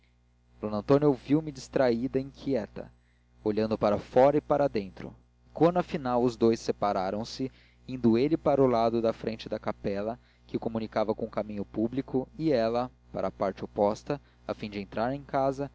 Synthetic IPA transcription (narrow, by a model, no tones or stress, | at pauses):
d̥̪onɐ̃nt̪õnowviwmɪd͡ʒist̪ɾaid̪ɐĩkʰiɛt̪ɐ̰ | oʎɐ̃nd̪ʊpaɾɐfɔɾɐɪpaɾɐd̪ẽnt̪ɾʊ̰ | kwɐ̃nd̪ʊɐfinawʊzd̪ojsepaɾaɾɐ̃w̃sɪ | ĩnd̪ʊelɪpaɾʊlad̪ʊd̪ɐfɾẽnt͡ʃɪd̪ɐkapɛlɐ | kɪkomunikavɐkõʊkamĩɲʊpublikʊiɛlɐ | paɾɐpaɾt͡ʃɪopɔst̪ɐ | afĩd͡ʒɪẽnt̪ɾaɾẽj̃kazɐ